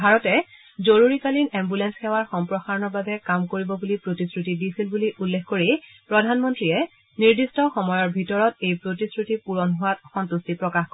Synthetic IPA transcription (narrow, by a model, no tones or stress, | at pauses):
bʱaɹɔtɛ | zoɹuɹikalinɛmbulɛnsxɛwaɹxɔmpɹɔxaɹɔnɔɹbabɛkamkoɹibɔbulipɹotiskɹutidisilbuliʔulːexkoɹipɹɔdʱanmɔntɹiɛ | niɹdistɔxɔmɔjɔɹbʱitɔɹɔtejpɹotisɹutipuɹɔnɦʊwatxɔntustipɹɔkaxkɔ